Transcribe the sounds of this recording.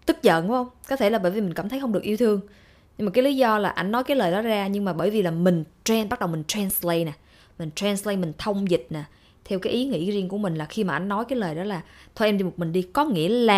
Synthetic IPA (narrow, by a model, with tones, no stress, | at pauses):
t̪ɨ˦˥k̚zə̰˧˨nhu˨˦hə˧wŋ͡mkɔ˨˦t̪ʰe˧˩laː˨˩ɓəː˧˩jvi˨˩mi̟˨˩kaː˧˩mt̪ʰə˨˦jxə˧wŋ͡mɗɨ˨˩ək̚ʔi˧wt̪ʰɨ˧əŋ | ɲɨ˧ŋmaː˨˩kːaː˨˦li˨˦zɔ˧laː˨˩ʔa˧jŋ̟nɔ˨˦jkaː˨˦jləː˨˩jɗɔ˨˦zaː˧ɲɨ˧ŋmaː˨˩ɓəː˧˩jvi˨˩laː˨˩mï˨˩ŋ̟t͡ɕɛ˧nɓt̚ɗə˨˩wmi˨˩ŋ̟t̪ʰɾɛː˧nslə˧jna˨˩ | mï˨˩ŋ̟t̪ɾaː˧nslə˧jmï˨˩ŋ̟t̪ʰə˧wŋ͡mzï˨˩t̚naː˨˩ | t̪ʰɛ˧wkaː˨˦jʔi˨˦ŋḭ˧˥˩zi˧əŋku˧˩əmï˨˩ŋ̟laː˨˩xi˧maː˨˩ʔa˧jŋ̟nɔ˨˦jkaː˨˦jləː˨˩jɗɔ˨˦laː˨˩t̪ʰo˧ʔɛ˧ɗi˧mo˨˩t̚mï˨˩ŋ̟ɗi˧kɔ˨˦ŋḭ˧˥əlaː˨˩